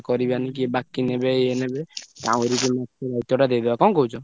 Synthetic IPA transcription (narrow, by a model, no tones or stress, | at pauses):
kɔɾibanik̬ibakinebeeenebet̪aw̃eɾikemɔtɔɾajt̪ɔʈad̪ejd̪ebakɔnkɔɦut͡ʃʰɔ